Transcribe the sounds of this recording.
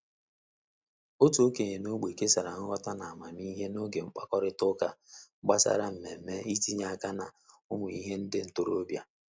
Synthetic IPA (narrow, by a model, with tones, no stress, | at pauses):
o˦tu˨o˦ke˨ɲe˨no˦ɡ͡be˨ke˦sa˨ɾa˨ŋʊ˦wʷa˦ta˦na˨a˨ma˨ni˦ɦe˦no˦ɡe˨ŋ͡m̩˦k͡pa˦kɔ˦ɾɪ˦tʊ˦ka˨˦ɡ͡ba˦sa̰˦ɾa˦m̩˨me˨m̩˦me˦i˦ti˦ɲa˦˨a˨ka˦na˨ | ʊ˦mʊ˨i˦ɦe˦n̩˦dɪ˦n̩˨to˦ɾo˦bja˦